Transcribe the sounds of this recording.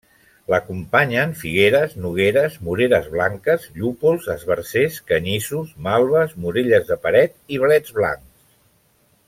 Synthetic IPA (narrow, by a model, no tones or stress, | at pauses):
ləkumpaɲənfiɣ̞eɾəznuɣeɾəzmuɾeɾəzβlaŋkəzʎupulˠzəzβəɾseskəɲisusmalˠβəzmuɾiʎəzðəpəɾɛt̪̚iβ̞lɛd͡zβla̰ŋkss